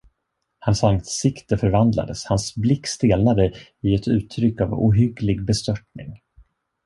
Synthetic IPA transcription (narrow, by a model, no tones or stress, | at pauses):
hansansɪkt̪əfœɾvand̪la̰d̪əshansblɪkːst̪eːlnad̪əɪɛt̪ʉ̟ːt̪ʰːɾʏkːavṵːɦʏɡlɪɡbɛst̪œʈ̚nɪ̰ŋ